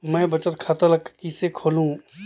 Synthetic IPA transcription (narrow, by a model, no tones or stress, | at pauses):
mɛ̃ːbɐt͡ʃət̪kʰaːt̪alɐkkisekʰoːlũ